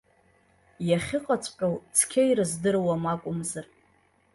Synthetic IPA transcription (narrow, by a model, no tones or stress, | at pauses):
jaχʲɪqʼat͡sʷʼpʲʼawt͡sʰkʲʰejrɨzdɨrwamakʷʼʊmzɨr